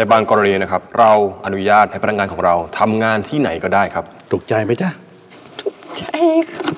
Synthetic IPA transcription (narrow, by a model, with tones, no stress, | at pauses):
na˧˩baː˧ŋkɔː˧ɾa˧niː˧na˦˥kʰa˦˥p̚ɾa˧wʔa˧nu˦˥jaː˥˩t̪̚ha˥˩pa˧la˧ŋaː˧nkʰɔː˩˦ŋɾa˧wt̪ʰa˧mŋaː˧nt̪ʰiː˥˩na˩˦jkɔː˥˩daː˥˩jkʰa˦˥p̚t̪ʰu˨˩k̚t͡ɕa˧jma˦˥jt͡ɕa˥˩ | t̪ʰu˨˩k̚t͡ɕa˧jkʰa˦˥